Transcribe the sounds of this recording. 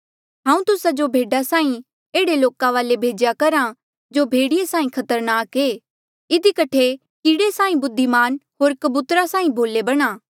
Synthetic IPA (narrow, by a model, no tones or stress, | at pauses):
ɦãːũt̪ʊsad͡ʒobʱeːɖasaːĩ | eːɽeloːkãʋaːlebʱeːd͡ʒjakɐɾa | d͡ʒoːbʱeːɽɪjesãːĩkʰɐt̪əɾnaːkeː | ɪd̪ikɐʈʰe | kiɽesaːĩbʊd̪ʱːimaːnɦoːɾkɐbut̪ɾasãːĩbʱoːlebɐɽ̃aː